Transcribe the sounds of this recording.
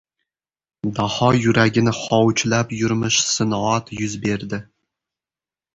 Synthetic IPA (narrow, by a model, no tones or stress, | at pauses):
d̪ɑhɑjuɾæɡʲɪnɪχɒwt͡ʃlæpjʊɾmɨʃsɨnɑt̪jʊzbeɾd̪ɪ